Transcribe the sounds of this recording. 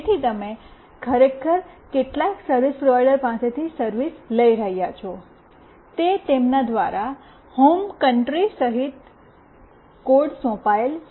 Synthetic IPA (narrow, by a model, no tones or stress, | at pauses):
t̪ʰit̪əme | kʰəɾekʰəɾkeʈlaiksəɾʋispɾoʋajɖəɾpãset̪ʰisəɾʋisləiɾəɦijat͡ʃʰɔ | t̪et̪emnad̪ʋaɾa | homkəɳʈɾisəɦit̪̚ | koɾɖsɔ̃pael